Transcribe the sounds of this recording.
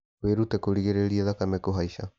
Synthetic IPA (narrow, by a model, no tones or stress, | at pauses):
weɾutɛkoɾiɣeɾeɾiaðakamɛkoɦaiɕa